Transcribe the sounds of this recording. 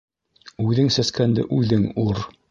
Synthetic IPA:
ʉðɘŋsæskænd̪ɘ̰ʔʉðɘŋuɾ

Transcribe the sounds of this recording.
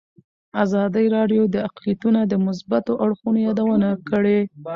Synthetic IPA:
azɑd̪əjɾɑɖjod̪əaqlijat̪unad̪əmʊs̬bat̪oʔaɽxunojɑd̪awənakəɽe

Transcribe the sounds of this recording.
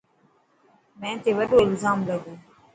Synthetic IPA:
mɛ̃ːt̪eːʋəɖoːɪlzaːmləɡoː

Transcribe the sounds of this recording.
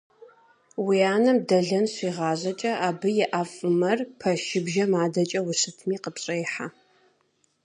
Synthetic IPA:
wiaːnɐmdɐɮɐnɕʷiːʁɑːʑɐt͡ʃʼɐʔaːbɨjɪʔafʼɨmɐrpʰɐʃɪbʒɐmaːdɐt͡ʃʼɐwʊsɨtʰmiːqəpɕʼɐjħa

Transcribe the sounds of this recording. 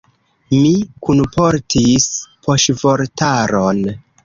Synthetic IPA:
mikunpʰo̞ɾtʰispʰo̞ʃvo̞ɾtaɾon

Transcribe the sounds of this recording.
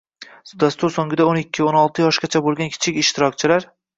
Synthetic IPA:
d̪ast̪ʊɾsoŋɡʲɪd̪aonɪkʲʰːɪonɒlˠt̪ʰɪjɒʃɡʲat͡ʃʰabolˠɡʲankʲʰɪ̥t͡ʃʰɪkʲɪʃt̪ʰɪɾɒk̚ʲt͡ʃʰɪlaɾ

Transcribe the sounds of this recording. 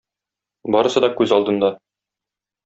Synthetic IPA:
bɒɾɤ̆sɤd̪ɒkʉzɒlˠd̪ɤ̆nd̪ɑ

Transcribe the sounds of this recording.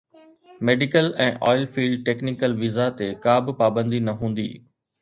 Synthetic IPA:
meːɖɪkəlɛ̃ːʔɔːɪlfiːɭɖ̚ʈeːknɪkəlʋizat̪ekaːbɪ̆paːbə̃nd̪inɐɦũːn̆d̪ḭː

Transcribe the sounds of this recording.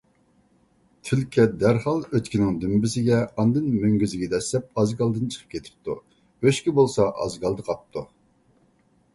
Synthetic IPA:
t̪ʰɪlkʲʰɛd̪æɾhɑlˠøt̪kʲinɪŋd̪ymbɪsɪɡʲɛɑnd̪ɨnmøŋɡʲyzɪɡʲid̪ɛslɛp̚ɑzɡɑlˠd̪ɨnt͡ʃʰə̥qʰə̥p̚kʲʰet̪ʰɪ̥p̚t̪ʰu | øʃkʲibolˠsɑʔɑ̰zɡɑlˠd̪ɨqʰɑp̚t̪ʰu

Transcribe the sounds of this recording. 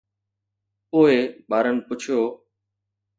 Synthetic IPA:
poːeɓaːɾənɪ̆pʊt͡ʃʰijoː

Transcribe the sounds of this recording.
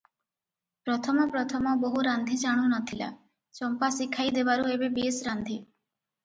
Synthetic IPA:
pɾɔt̪ʰɔmɔpɾɔt̪ʰɔmɔboɦuɾand̪ʱit͡ʃaɽ̃unɔt̪ʰila̰ | t͡ʃɔmpasikʰajd̪ebaɾuebebiesɾand̪ʱi

